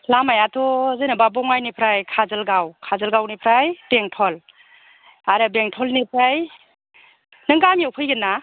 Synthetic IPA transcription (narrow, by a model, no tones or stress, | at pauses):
lamajatʰɔzɯnɯbabɔŋajnipʰɾajkʰazɐlɡawkʰazəlɡawnipʰɾajb̥eŋtʰɔl | aɾɯbeŋtʰɔlnipʰɾaj | nɯŋɡamjɔwpʰɯjɡɯnːa